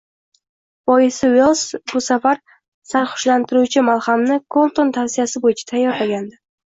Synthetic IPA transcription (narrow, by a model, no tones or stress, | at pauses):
bɒjɪsɪwelˠsbʊsafaɾ | saɾχʊ̥ʃlant̪ʰɪɾut͡ʃʰɪmalˠχamnɪkʰolˠt̪ont̪ʰawsijasɪbojɪt͡ʃʰḁt̪ʰajːɒɾlaɡʲand̪ɪ